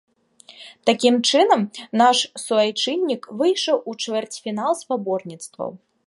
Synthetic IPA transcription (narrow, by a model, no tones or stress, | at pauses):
t̪akʲimt͡ʂɨnɐmnaʂsuvajt͡ʂɨnʲːikvɨjʂɐwut͡ʂvʲɛrt͡sʲfʲinalˠspabɔrnʲit̪st̪vɐ̰w